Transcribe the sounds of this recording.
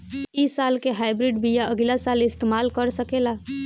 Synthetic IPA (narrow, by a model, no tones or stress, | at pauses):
iːsaːlkeɦaːɪbɾɪɖbijaʔəɡlasaːlɪst̪eːmaːlkəɾsəkelaː